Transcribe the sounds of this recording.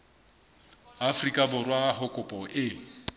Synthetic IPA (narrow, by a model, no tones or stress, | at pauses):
afrikʼabʊrwahʊkʼʊpʼɔʔɪ